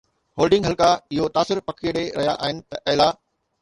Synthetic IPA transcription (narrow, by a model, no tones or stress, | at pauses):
hoːlɖɪ̃ŋɡɦɐlkaɪɦot̪aːsɪɾpɐkʰiɽeɾɐɦja̰ʔa̰ːɦɪnɪ̆t̪ɐʔɛːla